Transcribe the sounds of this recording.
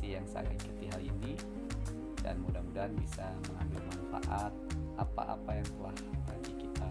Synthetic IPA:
ijaŋsa̰ɡa̰kət̪iɦalini | da̰nmudamudanbisa | məŋambɪlmanfa̰ʔat̪̚ʔapa̰ʔa̰pajaŋt̪əlahbadikit̪a

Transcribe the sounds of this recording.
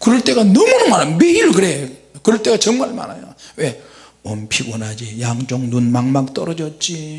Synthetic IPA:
kɯɾʌɭt͈ʼeɡanʌmunamanameiɾkɯɾej | kɯɾʌɭt͈ʼeɡat͡ɕʌŋmaɭma̰na̰jowe̞ | ompʰiɡonad͡ʑijaŋd͡ʑoŋnunmaŋmak̚t͈ʌɾʌd͡ʑʌt̚t͡ɕ͈i

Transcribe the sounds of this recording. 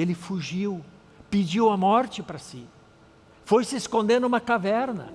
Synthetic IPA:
elɪfuʒiw | pɪd͡ʒiwɐmɔɾt͡ʃɪpɾɐsɪ | fojsɪeskõnd̪eɾd̪ũmɐkavɛɾnɐ̰

